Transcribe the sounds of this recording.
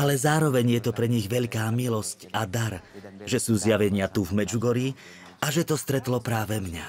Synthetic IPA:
alɛzaːɾɔʋɛɲjɛt̪ɔpɾɛɲiɣʋɛʎkaːmilɔscad̪aɾʒɛsuːzjaʋɛɲɪat̪uvmɛd͡ʒuɡɔɾi | aʒɛt̪ɔst̪ɾɛt̪lɔpɾaːʋɛmɲa̰

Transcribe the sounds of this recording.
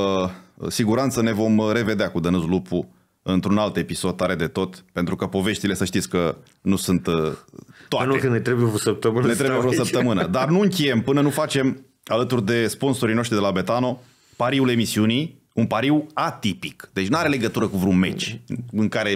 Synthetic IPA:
siɡuɾant̪səne̞vo̞mɾe̞ve̞d̪eakud̪ənɨzlupu | ɨnt̪ɾunalt̪e̞piso̞d̪̚t̪aɾe̞d̪e̞t̪o̞t̪pent̪ɾukəpo̞ve̞ʃt̪ile̞səʃt̪itsʲkə | nusunt̪ | oanuekɨnnet̪ɾebujevɾosəp̚t̪əmɨnnet̪ɾebuevɾosəp̚t̪əmɨnəd̪arnuɨŋkʲeje̞mpɨnənufat͡ʃe̞m | alət̪urd̪e̞spo̞nso̞ɾino̞ʃt̪ɾid̪e̞labe̞t̪ano̞ | paɾiwule̞misiuni | unpaɾiwat̪ipikd̪et͡ʃʲnuaɾe̞le̞ɡət̪uɾəkuvɾunme̞̰t͡ʃʲɨŋkaɾe̞

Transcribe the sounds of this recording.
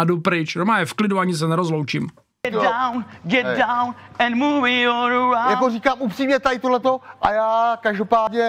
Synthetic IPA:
adupɾɪt͡ʃɾomajɛfklɪduaɲɪsɛnɛɾozlowt͡ʃiːm | ɛdãʊ̃nɡɛt̚dãʊ̃nɨ̃nmuviɔəɹãjakoriːkaːmʔupr̥iːmɲɛt̪adɪt̪olɛt̪o̞ʔa̰jaːkaʒdo̞paːdɲɛ

